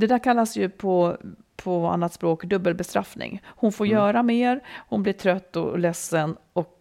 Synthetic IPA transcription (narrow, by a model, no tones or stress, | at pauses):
d̪ɛd̪æːɾkʰalːasjɵpʰɔ | pʰɔa̰nːat̪spɾoːkd̪ɵbːəlbɛst̪ɾa̰fnɪ̰ŋhʊnfoːɾjœːɾameːɾhʊnblɪʈʰɾœt̪ːɔ̰lɛsːənɔk